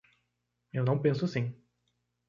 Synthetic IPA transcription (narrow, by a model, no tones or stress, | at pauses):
ewnɐ̃w̃pẽsʊsĩ